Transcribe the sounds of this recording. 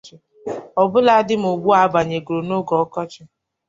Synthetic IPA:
ɪ˦ | ɔ˨bʊ˦la˦dɪ˦m̩˨o˨ɡ͡bu˦a˨˦ba˨ɲe˨ɡɾo˨no˦ɡɔ˨ɔ˦kɔ˦t͡ʃɪ˦

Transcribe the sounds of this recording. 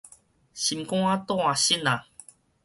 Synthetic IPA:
ɕi˨mkɔ̃˥˦a˦t̪ɔ̃˥˦˧a˨ɕi˦˨na˨

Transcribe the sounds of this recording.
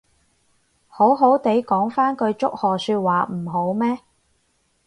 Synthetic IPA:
ho˨˥wɦo˨˥wt̪e˨˥jkɔː˨˥ŋfaː˥nkɵ˧ɥt͡sʊ˥k̚hɔː˨syː˧t̚waː˨m̩˨˩ɦo˨˥wmɛː˥

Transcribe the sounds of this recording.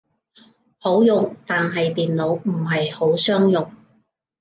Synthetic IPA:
ho˨˥wjʊ˨ŋt̪aː˨nɦɐ˨jt̪iː˨nlo˨˧wm̩˨˩ɦɐ˨jho˨˥wsœː˥ŋjʊ˨ŋ

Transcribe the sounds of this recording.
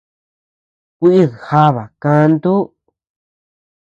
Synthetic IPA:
kʷi˦ʔi˦˨ha˦βa˨kã˧nd̪u˦

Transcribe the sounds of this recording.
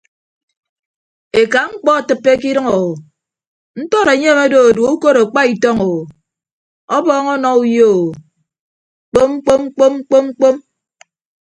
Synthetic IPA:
e˨ka˨ŋ͡m̩˦k͡pɔ˦a˨tɨ˦pːe˦k̬i˦ɾʌ˦ŋo˨wo˨ | n̩˦tɔ˦ɾe˨ɲe˦me˦do˨o˨du˨˦u˦ko˦ɾo˨k͡pa˦i˨tɔ˦ŋo˨wo˨ | ɔ˦bɔː˦ŋɔ˦nɔ˦u˦jo˦˨ | k͡po˦mŋ͡m̩˦k͡po˦m̩˦k͡po˦mŋ͡m̩˦k͡po˦mŋ͡m̩˦k͡po˦m

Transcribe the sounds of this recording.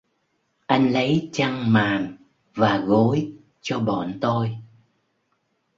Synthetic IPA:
ʔa˧jŋ̟lə˨˦jt͡ɕa˧ŋmaː˨˩ŋ | vaː˨˩ɣo˨˦j | t͡ɕɔ˧ɓɔ̰˧˨nt̪o˧j

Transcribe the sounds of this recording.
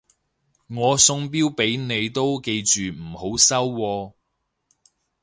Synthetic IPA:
ŋɔː˨˧sʊ˧ŋp̬iː˥wpe˨˥jne˨˧jt̪o˥wke˧jt͡ʃyː˨m̩˨˩ho˨˥wsɐ˥wːɔː˧

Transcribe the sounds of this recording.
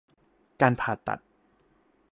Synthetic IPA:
kaː˧npʰaː˨˩t̪ːa̰˨˩t̪̚

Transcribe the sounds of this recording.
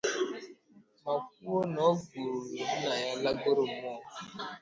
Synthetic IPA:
ma˨k̚u˦wo˦nɔ˨˦ɡu˨ɾo˨e˨di˦na˨ja˦la˦ɡo˦ɾo˦˨mɔ˦˨

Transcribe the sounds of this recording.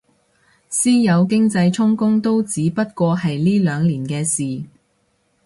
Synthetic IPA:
siː˥jɐ˨˧wkɪ˥ŋt͡sɐ˧jt͡sʰʊ˥ŋkʊ˥ŋt̪o˥wt͡siː˨˥pɐ˥t̚kɔː˧hɐ˨jliː˥lœː˨˧ŋliː˨˩nkɛː˧siː˨˩

